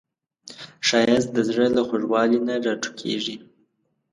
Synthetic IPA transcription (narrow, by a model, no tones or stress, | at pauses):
ʃɑjas̚d̪əzɽəlaxoʐwɑlinaɾɑʈ͡ʂu̥kʰḛʐi